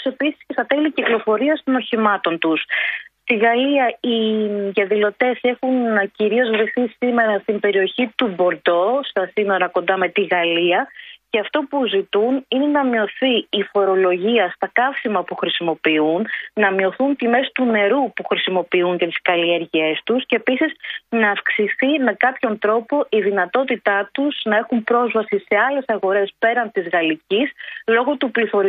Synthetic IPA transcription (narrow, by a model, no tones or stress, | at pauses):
se̞pisi̥scesɐt̪eliciklo̞fo̞ɾiɐst̪o̞no̞çimɐt̪o̞nt̪ust̪iɣɐliɐiðɐðilo̞t̪e̞se̞xunciɾio̞zɣɾiθisime̞ɾɐst̪imbe̞ɾio̞çit̪ubo̞ɾd̪o̞st̪ɐsino̞ɾɐko̞nd̪ɐme̞t̪iɣɐliɐceɐft̪o̞puzit̪unine̞nɐmio̞θiːfo̞ɾo̞lo̞ʝiɐst̪ɐkɐfsimɐpuxɾisimo̞piunnɐmio̞θunt̪ime̞st̪une̞ɾupuxɾisimo̞piuɲcet̪i̥skɐlieɾʝie̞st̪uscepisisnɐːfksiθime̞kɐpço̞nt̪ɾo̞po̞ʔiðinɐt̪o̞t̪it̪ɐt̪uz̥nɐe̞xumpɾo̞zvɐsise̞ɐle̞sɐɣo̞ɾe̞spe̞ɾɐnt̪izɣɐlicislo̞ɣo̞t̪upliθo̞ɾi